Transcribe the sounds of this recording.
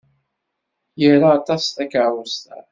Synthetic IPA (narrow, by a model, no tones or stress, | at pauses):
jiɾaːt̪ɑstækʕwəst̪æ̰